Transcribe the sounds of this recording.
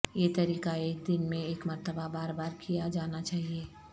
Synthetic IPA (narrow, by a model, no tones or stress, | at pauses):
jet̪ɐɾiːkaeːk̚d̪ɪnmẽeːkmɐɾt̪əbabaːɾbaːɾkijad͡ʒaːnat͡ʃaːɦieː